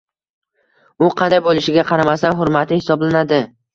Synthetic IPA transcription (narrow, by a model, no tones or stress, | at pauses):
ʊqʰɑnd̪ajbolˠɪʃɪɡʲaqʰɑɾamast̪anɦʊɾmat̪ʰɪhɪsɒblanad̪ɪ